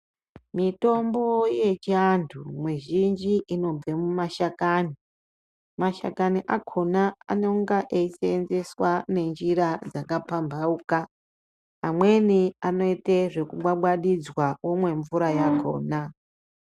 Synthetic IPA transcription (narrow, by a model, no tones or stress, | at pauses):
mito̞mboje̞t͡ʃiandʰumwiʒind͡ʒiʔino̞b͡ve̞mumaʃakaːni | maʃa̰kaniʔakʰona̰ːno̞ŋɡaʔeiseːnze̞swane̞nd͡ʒiɾad͡zakapambʱaukaː | mwe̞niano̞iteʐe̞kuɓwaɓwaɗid͡zwawomwe̞ɱvuɾajakʰo̞̰ːna